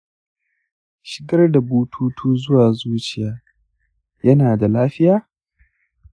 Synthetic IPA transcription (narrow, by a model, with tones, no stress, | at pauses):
ʃɪ̥˨ɡɐ˦rda˨buː˦tʰuː˦tʰuː˦zʊ˦waː˨zuː˦t͡ʃɪ˦˨jaː˨˦ | jɐ˦naː˨da˨laː˦ɸɪ˦jaː˦